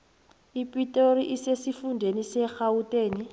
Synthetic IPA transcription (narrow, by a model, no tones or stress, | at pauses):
ipʼitʼoɾiʔisesifundʱenisɛxautʼeːni